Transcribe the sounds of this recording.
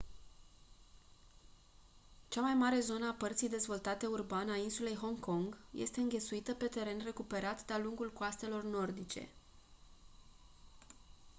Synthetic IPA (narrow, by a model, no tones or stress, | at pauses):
t͡ʃamajmaɾe̞zo̞nəapərt̪sijd̪e̞zvo̞lt̪at̪e̞urbanainsule̞jɦo̞ŋko̞ŋɡje̞̰st̪e̞ɨŋɡʲe̞t̪suit̪əpe̞t̪e̞ɾe̞nre̞kupe̞ɾat̪d̪aluŋɡulkoast̪e̞lo̞rno̞rd̪it͡ʃe̞̰